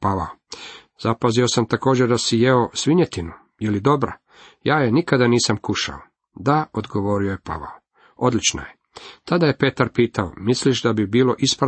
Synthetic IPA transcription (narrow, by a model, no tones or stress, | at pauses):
paʋa̰o | z̥apazio̞samt̪ako̞ːd͡ʑeɾd̪asijeosʋiɲet̪inu | jelid̪o̞bɾa̰ | jaːjenikad̪aniːsamkuʃa̰o | d̪aod̪ɡo̞ʋo̞ːɾio̞jepa̰ʋa̰o | o̞d̪lit͡ʃna̰je | t̪ad̪aje̞pe̞t̪aɾpiːt̪ao̰misliʃd̪abibiːlo̞ʔispɾa